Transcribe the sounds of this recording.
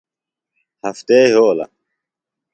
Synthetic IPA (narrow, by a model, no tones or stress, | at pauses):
hɐft̪eːɦoːlɐ̰